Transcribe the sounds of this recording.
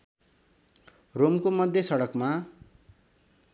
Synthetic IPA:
romkomʌd̪ʱjesʌɽʌkma

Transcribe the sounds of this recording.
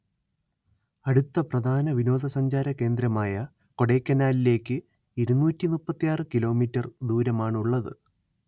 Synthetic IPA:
ɐɽut̪ːɐprɐd̪ʱaːnɐʋino̞ːd̪ʱɐsɐɲd͡ʑaːɾɐke̞ːnd̪ɾɐmaːjɐ | ko̞ɽeːkʲːɐnːaːlile̞ːkːɨ | iɾunːuːtːinupːɐt̪ːijaːrɨkilo̞ːmiːtːɐrd̪uːɾɐmaːɳuɭːɐðɨ̰

